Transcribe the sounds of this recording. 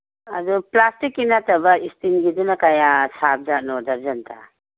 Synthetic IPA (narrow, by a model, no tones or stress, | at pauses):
aduplastikːinatɐbɐistinɡidunakajasap̚zaʔ̚nɔdaɾzantʰa̰